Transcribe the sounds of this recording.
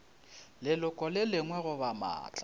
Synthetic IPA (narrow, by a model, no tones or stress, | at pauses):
lɪlʊkʼɔlɪlɪŋwɛɣʊbama̰ːt͡ɬʼa